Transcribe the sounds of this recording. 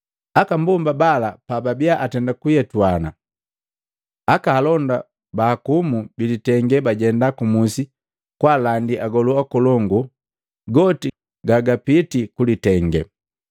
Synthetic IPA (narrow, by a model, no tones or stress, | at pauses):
akambɔmbabalapababiaʔatɛndakujɛtwana̰ | akaːlɔnda | baːkumubilitɛŋɡɛbaɟɛndakumusi | kwalandiʔaɡɔluakɔlɔŋɡu | ɡɔti | ɡaɡapitikulitɛŋɡɛ̰